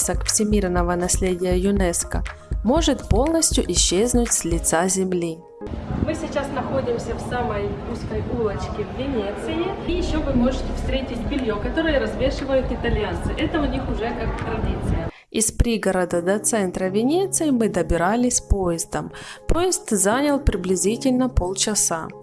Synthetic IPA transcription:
səkfsʲɪmʲirnəvənɐsʲlʲedʲɪjəjʊnɛskə̰mo̞ʐɨt̪po̞lˠnəsʲtʲjʊʔɪɕːeznʊtʲsʲlʲɪt̪sazʲɪmlʲi | mɨsʲɪt͡ɕasnɐxo̞dʲɪmsʲəfsaməjuskəjulˠət͡ɕkʲɪvːʲɪnʲet̪sɨjɪjɪɕːovɨmo̞ʐɨtʲɪfst̪ɾʲetʲɪtʲbʲɪlʲjokɐt̪o̞ɾɨjəɾɐzvʲe̞ʂɨvəjʊt̪ɪt̪ɐlʲjant̪sɨʔɛt̪əʊnʲixʊʐɛkak̚t̪ɾɐdʲit̪sɨjə | ɪspɾʲiɡəɾəd̪əd̪ɐt̪sɛnt̪ɾəvʲɪnʲet̪sɨjɪmɨd̪əbʲɪɾalʲɪsʲpojɪzd̪əmpo̞jɪst̪zanʲɪlˠpɾʲɪblʲɪzʲitʲɪlʲnəpolˠt͡ɕɪsa

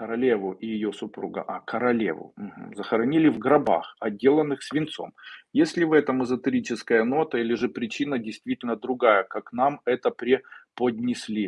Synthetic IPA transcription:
kəɾɐlʲevʊʔɪjɪjosʊpɾṵɡə̰ʔakəɾɐlʲḛvʊ̰m̩ɦm̩zəxəɾɐnʲilʲɪvɡɾɐba̰xɐdʲːe̞lˠənːɨxsʲvʲɪnt̪so̞̰mjesʲlʲɪvɛt̪əmɨzət̪ɨɾʲit͡ɕɪskəjəno̞t̪əilʲɪʐɨpɾʲɪt͡ɕinədʲɪjst̪vʲitʲɪlʲnəd̪ɾʊɡajəkaknamɛt̪əpɾʲɪpəd̪ʲnʲɪsʲlʲi

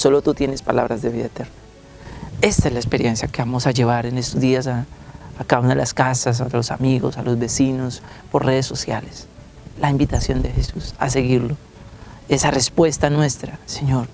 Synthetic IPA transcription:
so̞lo̞t̪ut̪je̞ne̞spala̰βɾazd̪e̞βiðaet̪eɾna | e̞st̪aezlaespeɾje̞nsjakeβamosaʝe̞β̞aɾe̞ne̞st̪ozd̪iasaːkaunelʔaskasas̬aðlosamiɣo̞salo̞zbe̞sino̞spo̞re̞ðesːo̞sja̰le̞s | laimbit̪asjo̞nd̪e̞xe̞susa̰s̬e̞ɣiɾlo̞ | e̞sare̞spwe̞st̪anwe̞st̪ɾaseɲo̞ɾ

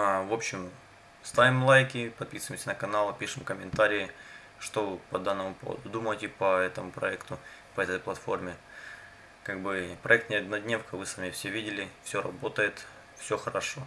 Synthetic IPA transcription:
avo̞pɕɪm | st̪avʲɪmlˠajkʲɪpɐt̪̚pʲisɨvɪmʲsʲənəkɐnalˠɨpʲiʂɨmkəmʲɪnt̪aɾʲɪː | ʂt̪o̞vɨpɐd̪anːəmʊpo̞və̰d̪ʊd̪uməjtʲɪpɐɛt̪əmʊpɾɐ̰ɛkt̪ʊ | pɐəɛt̪əjplˠɐt̪fo̞rmʲɪ | kaɡ̚bɨpɾɐɛk̚t̪nʲɪɐd̪nɐd̪ʲnʲefkəvɨsamʲɪfsʲevʲidʲɪlʲɪfsʲoɾɐ̰bo̞t̪əjɪt̪ | fsʲo̞xəɾɐʂo̞

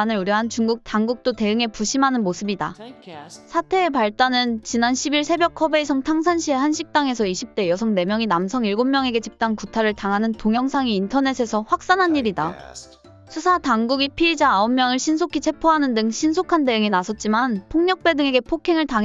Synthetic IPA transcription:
nɯɾuɾjʌɦant͡ɕuŋɡuk̚t͈aŋɡuk̚t͈ote̞ɯŋe̞puɕʰimɦanɯnmosʰɯbida | sʰatʰe̞ːpaɭt͈anɯnt͡ɕinanɕʰibiɭsʰe̞bjʌkʰʌbe̞isʰʌŋtʰaŋs̬ʰanɕʰie̞hanɕʰik̚t͈aŋe̞sʰʌiɕʰip̚t͈e̞jʌsʰʌŋne̞mjʌŋinamsʰʌŋiɭɡomːjʌŋe̞ɡe̞t͡ɕip̚t͈ankutʰaɾɯɭtaŋɦanɯnpoŋjʌŋsʰaŋiːntʰʌne̞sʰe̞sʰʌɸwak̚s͈anɦanːiɾida | sʰusʰataŋɡuɡipʰiːd͡ʑaːomːjʌŋɯɭɕʰins̬ʰokʰit͡ɕʰe̞pʰoɦanɯndɯŋɕʰinsʰokʰande̞ɯŋinasʰʌt̚t͡ɕ͈imanpʰoŋɲʌk̚p͈e̞dɯŋe̞ɡe̞pʰokʰiŋɯɭtaŋ

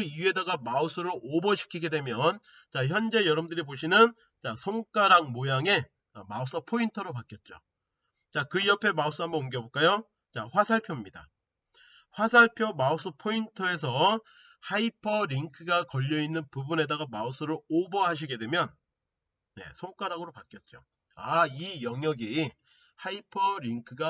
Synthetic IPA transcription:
kɯie̞daɡamaus͈ʰɯɾoʔobʌɕʰi̥kʰiɡe̞dwe̞mjʌn | t͡ɕaçjʌnd͡ʑe̞jʌɾʌmdɯɾiboɕʰinɯn | t͡ɕasʰoŋk͈aɾaŋmojaŋe̞ | ʌmaos͈ʰʌpʰointʰʌɾopak͈jʌt̚t͡ɕ͈o̰ | t͡ɕakɯijʌpʰe̞maus͈ɯɦambʌnomɡjʌboɭk͈ajo | t͡ɕaɸwasʰaɭpʰjomɲida̰ | ɸwasʰaɭpʰjomaos͈ʰɯpʰointʰʌe̞s̬ʰʌ | haipʰʌɾiŋkʰɯɡakʌʎːʌinːɯnpubune̞daɡamaos͈ʰɯɾɯɭobʌɦaɕ̬ʰiɡe̞dwe̞mjʌn | ne̞̰sʰoŋk͈aɾaɡɯɾopak͈jʌt̚t͡ɕ͈o̰ | aijʌŋjʌɡi | haipʰʌɾiŋkʰɯɡa

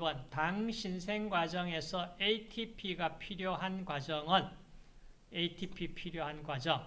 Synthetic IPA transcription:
bʌntaŋɕʰinsʰe̞ŋɡwad͡ʑʌŋe̞sʰʌetʰipʰiɡapʰiɾjoɦanɡwad͡ʑʌŋɯn | eitʰipʰipʰiɾjoɦanɡwad͡ʑʌŋ

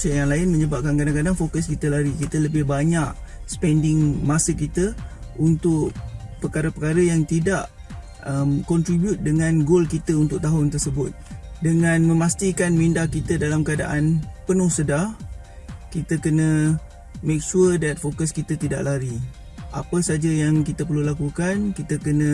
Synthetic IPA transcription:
sjaŋlaɪnmə̃ɲəbap̚kankadaŋkadaŋfokəskit̪əlaɾikit̪ələbɪhbaɲaʔsə̥pɛndɪŋmasəkit̪əunt̪ʊʔpəkaɾəpəkaɾəjaŋt̪idaʔ | əmkɔnt̪ɾibjut̪̚dəŋãnɡolkit̪əunt̪ʊʔ̚t̪aɦʊnt̪ərsəbʊt̪̚dəŋãnmə̃mast̪ikanmindakit̪ədalamkəada̰ʔanpənʊhsədah | kit̪əkənə̃ | mek̚ʃuədɛt̪̚fokəskit̪ət̪ida̰ʔlaɾi | ʔapəsad͡ʒəjaŋkit̪əp̬ərlulakukankit̪əkənə̃

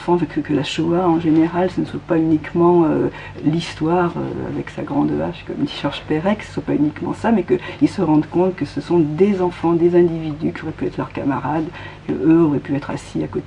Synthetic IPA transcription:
fɑ̃ʒkkəlaʃɔaɑ̃ʒeneʁalsənəswapaynikmɑ̃ø | list̪waʁø̰a̰vɛksa̰ɡʁɑ̃d̪va̰ʃkɔ̰md̪iʃaʁʒpeʁɛksə̥swapaynikmɑ̰̃samɛkəilsəʁɑ̃d̪kɔ̃t̪kəsəsɔ̃d̪ezɑ̃fɑ̃d̪ezɛ̃d̪ivid̪ykʲiɔʁɛpyɛt̪χlœʁka̰maʁad̪kə̰øɔʁɛpyɛt̪χa̰siakot̪e

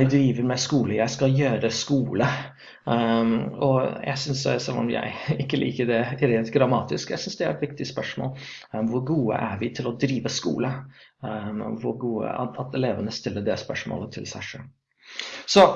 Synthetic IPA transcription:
ɪd̪ɾiːʋəɾmɛskuːləjæɪskɑljøːɾəskuːlə | ɔjæ̰ɪsʏnssɛlːɔ̰mjæ̰ɪɪkːəlʔḭːkəd̪ɛɾeːnt̪ɡɾɑmɑːt̪ɪskjæ̰ɪsʏnsd̪ɛæɾɛt̪ʋɪk̚t̪ɪspœʂmo̰ːl | ʋʊɾɡuːə̰ʔæɾʋɪt̪ʰɪlɔd̪ɾiːʋəskṵːlə | ʋʊɾɡuːə̰ɑt̪ɛleːʋənəst̪ɪlːəɖɛspœʂmo̰ːlət̪ʰɪlsæɪʂø̰ːl | sɔ

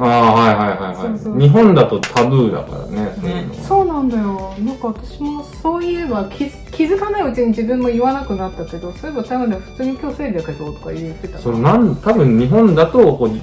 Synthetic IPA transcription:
aːɦaiɦaiɦaiha̰ioɲ̟iɦõ̞nd̪at̪o̞t̪ʰabɯːd̪a̰ka̰ɾa̰nesonso̞ːnãnd̪ajo̞nãŋkaβat̪aɕimo̞so̞ːiebakʲʰi | kʲizɨkanaiɯ̟t͡ɕiɲ̟id͡ʑibɯ̟̃mːo̞iβanakɯ̟nat̪ːake̞d̪o̞so̞ɾeeat̪amɯ̃neɸɯ̟t͡sɨːɲokʲo̞ːse̞ːd̪ʲeak̪ːet̪oːt̪o̥ka̰it̪ːet̪asonnãnt̪abɯ̟̃ɲɲːiɦõ̞nd̪at̪okoː

